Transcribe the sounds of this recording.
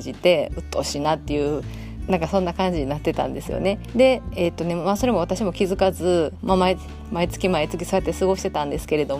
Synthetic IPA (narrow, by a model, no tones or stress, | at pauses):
d͡ʑit̪e̞ɯ̟t̪ːo̞ɕinat̪ːe̞jɯ̟ː | nãŋkasõ̞nːakãɲ̟d͡ʑiɲinat̪ːe̞t̪ã̰nd̪e̞sɨjo̰ne̞d̪e̞et̪ːo̞ne̞maːso̞ɾemo̞β̞at̪aɕimo̞kʲizɨkazɨmamai | mait͡sɨ̥kʲimait͡sɨkʲi̥so̞jat̪ːesɨɡo̞ɕi̥t̪et̪ãnd̪e̞sɨ̥ke̞ɾe̞d̪o̞